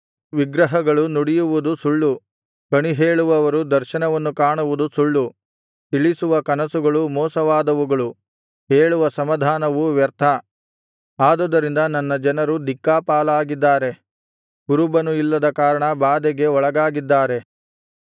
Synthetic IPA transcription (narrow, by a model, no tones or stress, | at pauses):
ʋiɡɾɐɦɐɡɐɭunuɽijuʋud̪usuɭːu | kɐɳiɦeːɭuʋɐʋɐɾud̪ɐɾʃɐnɐʋɐnːukaːɳuʋud̪usuɭːu | t̪iɭisuʋɐkɐnɐsuɡɐɭumɔːsɐʋaːd̪ɐʋuɡɐɭu | ɦeːɭuʋɐsɐmɐd̪ʱaːnɐʋuʋjɐɾt̪ʰɐ | aːd̪ɔd̪ɐɾind̪ɐnɐnːɐd͡ʒɐnɐɾud̪ikːaːpaːlaːɡid̪ːaːɾe̞ | ɡ̥uɾubɐnuilːɐd̪ɐkaːɾɐɳɐbaːd̪ɛɡe̞ɔɭɐɡaːɡid̪ːaːɾe̞